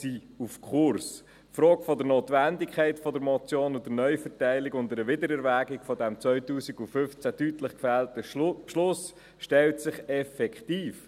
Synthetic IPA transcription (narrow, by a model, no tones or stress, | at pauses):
si | ufkχʊrs | fɾɔːɡfɔdəɾnoːtʋændɪkʰɛɪtfɔdəɾmɔt͡sjoːnʊd̥əɾnœʏfəɾtæɪlɪkʊndəɾəʋɪdəɾɛɾʋæːɡɪɡ̥fɔdæmt͡sʋœʏtuːsiɡufʏft͡sædytləχkfæltəʃlʊs | ʃtɛltsɪχɛfɛkχtiːf